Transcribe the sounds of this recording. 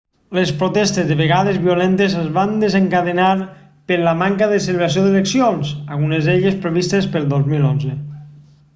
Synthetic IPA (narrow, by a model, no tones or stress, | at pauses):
lespɾot̪ɛst̪ezðeβeɣaðezβiulent̪ezəzβand̪ezeŋkaðenaɾ | peɾlamaŋkaðeseleβɾas̬ioðeleksionsaɣ̞unezeʎespɾeβ̞ist̪espelˠd̪ozmilonze